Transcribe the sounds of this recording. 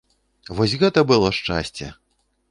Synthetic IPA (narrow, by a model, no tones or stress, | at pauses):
vɔsʲɣɛt̪ɐbɨlˠɔʂt͡ʂa̰sʲt͡sʲɛ̰